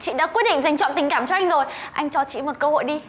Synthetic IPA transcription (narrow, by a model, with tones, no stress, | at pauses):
t͡ɕḭ˧˨ɗa̰ː˧˥kwt̚ɗḭ˧˨ŋza˧˩jŋ̟t͡ɕɔ̰˧˨nt̪ï˨˩ŋ̟kaː˧˩mt͡ɕɔ˧ʔa˧jŋ̟zo˨˩jʔa˧jŋ̟t͡ɕɔ˧t͡ɕḭ˧˨mo˨˩t̚kəː˧ho̰˧˨jɗi˧